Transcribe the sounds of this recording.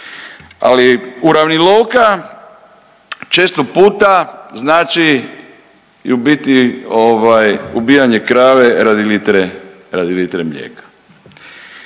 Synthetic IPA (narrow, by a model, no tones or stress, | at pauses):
a̰liuɾaʋnilowka | t͡ʃeːst̪opuːt̪aznaːt͡ʃi | iubit̪ioʋajubijaɲekɾaːʋeɾad̪ilit̪ɾe | ɾad̪ilit̪ɾemʎḛːkḁ